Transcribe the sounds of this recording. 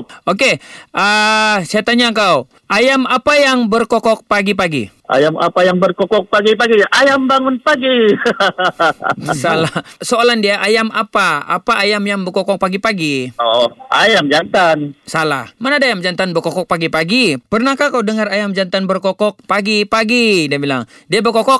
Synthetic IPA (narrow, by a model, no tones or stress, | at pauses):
okeʔəsajat̪aɲakaw | ʔajamapajaŋbərkɔkɔk̚paɡipaɡḭ | ʔa̰jama̰pajaŋbərkɔkɔk̚paɡipaɡiʔajambaŋʊnpaɡi | salasoalandiaʔajamapaa̰paʔajamjaŋbərkɔkɔk̚paɡipaɡiɔʔajamd͡ʒant̪ansala̰hmanadajamd͡ʒant̪anbərkɔkɔk̚paɡipaɡipərnahkakawdəŋarajamd͡ʒant̪anbərkɔkɔk̚paɡipaɡidiabila̰ŋdiabərkɔkɔk̚